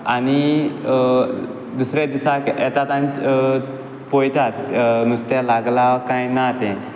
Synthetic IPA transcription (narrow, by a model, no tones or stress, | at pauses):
añi | d̪usɾed̪isakɛt̪at̪ãɲt͡ɕ | pojt̪at̪nust̪alaɡlakãjnat̪ɛ̃